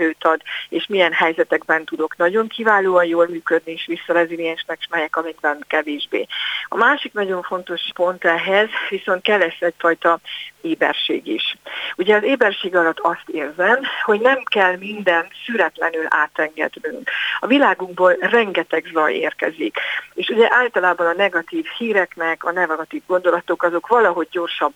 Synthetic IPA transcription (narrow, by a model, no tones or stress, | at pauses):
øːt̪ɒd̪eːʃmijɛnɦɛjzɛt̪ɛɡbɛnt̪ud̪o̞knɒɟo̞ŋkʰivaːloːɒnjoːlmyːkød̪nieːʃʋisːɒɾɛzilijɛnʃnɛkʃmɛjɛkɒmiɡbɛnkɛveːʒbḛːɒ̰maːʃiknɒɟo̞ɱfo̞nt̪o̞ʃpo̞nt̪ɛɦɛzʋiso̞nt̪̚kɛlːɛsɛcfɒjt̪ɒeːbɛ̰rʃḛːɡiʃuɟɛɒzeːbɛrʃeːɡɒlɒt̪ːɒst̪eːrzɛmho̞ɟnɛmkɛlmind̪ɛnt̪syɾɛt̪lɛnyla̰ːt̪ɛŋɡɛ̰d̪nyŋkɒvilaːɡuɡboːlrɛŋɡɛt̪ɛɡzɒjḛːrkɛ̰zikeːʃuɟɛʔaːlt̪ɒlaːbɒnɒnɛɡɒt̪iːvhiːɾɛknɛkɒnɛɡɒt̪iːvɡo̞nd̪o̞lɒt̪o̞kɒzo̞kʋɒlɒɦo̞ɟːo̞rʃɒbː